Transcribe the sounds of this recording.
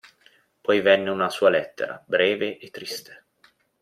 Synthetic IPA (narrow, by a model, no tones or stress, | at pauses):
pɔjvɛnːeunasuːalɛt̪ːḛɾa̰bɾɛːveʔet̪ːɾist̪e̥